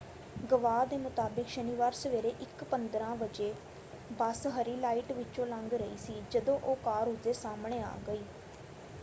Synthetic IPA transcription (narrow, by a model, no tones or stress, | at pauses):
ɡəʋaːd̪eːmʊt̪aːbɪkʃəniːʋaːɾsəʋeːɾeːʔɪkpənd̪ɾãːʋəd͡ʒeː | bəsɦəɾiːlaːiːʈʋɪt͡ʃõːlə̃ŋɡɾəiːsiːd͡ʒəd̪õːʔoːkaːɾɦʊzeːsaːmɳeːa̰ːɡəiː